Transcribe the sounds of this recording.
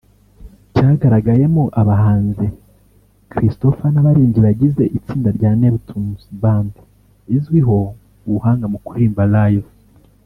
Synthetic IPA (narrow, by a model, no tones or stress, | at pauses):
caːɡaɾaɡaje̞moʔaβaɦaːnze | kɾisto̞fanaβaɾiːɲɟiɾaɟize̞ʔit͡siːndaɾɟaːne̞βutʰumusiβaːndi | izɡwiɦo̞ | uhaːŋɡamukuɾiːmbalajo